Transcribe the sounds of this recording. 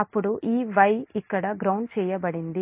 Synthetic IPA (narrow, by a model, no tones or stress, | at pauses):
ɐpːuɽuʔiːʋɐjikːɐɽɐɡɾɐwɳɖt͡ʃɛːjɐbɐɽind̪i